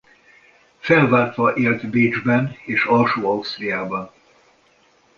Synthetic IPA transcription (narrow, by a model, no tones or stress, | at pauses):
fɛlvaːrt̪ʋɒʔeːlt̪biːd͡ʒbɛneːʃɒlʃoːɒust̪rijaːbɒn